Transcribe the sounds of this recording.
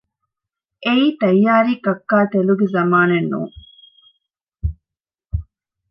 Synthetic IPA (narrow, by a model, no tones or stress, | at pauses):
ʔeiːt̪ɐjːaːɾiːkɐkːaːt̪eluɡezɐmaːnenːṵːŋ